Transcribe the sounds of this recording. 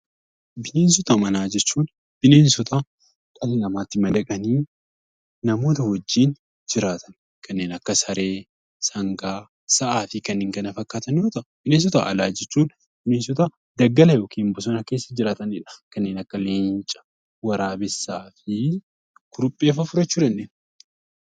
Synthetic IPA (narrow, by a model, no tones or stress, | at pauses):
bɪneːns̬ɔt̪ɐmɐnaːd͡ʒɛt͡ʃːuːn | b̥ɪneːnsɔt̪ʰa | kʼɐlɪnɐmaːt̪ːɪmɐd̪ɐkʼɐniː | nɐmo̞ːt̪ɐhɔd͡ʒːiːn | d͡ʒɪɾaːt̪ʰɐn | kʰɐnːeːnɐkːɐsɐɾeː | sɐŋɡaː | sɐʔaːfɪkɐnːɪːŋkɐnɐfɐkːaːt̪ɐnjoːt̪ɐʔb̥ɪneːns̬ɔt̪a̰ːʔɐlaːd͡ʒɛt͡ʃːuːn | b̥ɪneːnsɔt̪aː | d̪ɐɡːɐlɐjo̞ːkiːmbʊs̬ɔnɐke̞ːsːɐd͡ʒɪɾaːt̪ɐnɪᶑɐ̥kɐnːe̞ːnɐkːɐleːɲt͡ʃʼɐ̥ | wɐɾaːbɛsːaːfɪ | kʊɾʊpʼːe̞ːfɐfʊɾɐt͡ʃːuːɾɐnːeːn